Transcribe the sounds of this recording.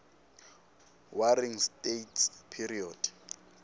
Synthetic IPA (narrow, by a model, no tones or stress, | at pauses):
waɾiŋstʼetʰpʰiɾiɔːd̥